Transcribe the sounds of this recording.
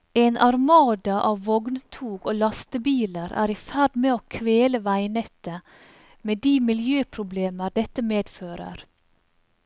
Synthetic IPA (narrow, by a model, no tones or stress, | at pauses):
eːnʔɑɾmɑːd̪ɑʔɑːʋʋɔɡnt̪ʰuːɡoːlɑst̪əbiːləɾʔæ̰ːɾiːfæɖmeːoːkʰʋeːləʋæɪnɛt̪ə | meːd̪iːmɪljøːpʰɾʊbleːməɾd̪ɛt̪əmeːd̪føːɾə̰ɾ